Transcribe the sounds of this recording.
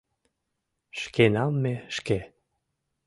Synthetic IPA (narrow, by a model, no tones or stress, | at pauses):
ʃkenɑmmeʃke